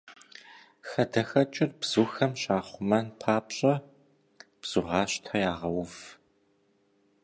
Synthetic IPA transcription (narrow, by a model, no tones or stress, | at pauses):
xɐdɐxɐt͡ʃʼɪrbz̥uxɐmɕaːχʷʊmɐnpʰaːpɕʼɐ | b̥z̥ʊʁɑːɕtʰɐjaːʁɐwʊf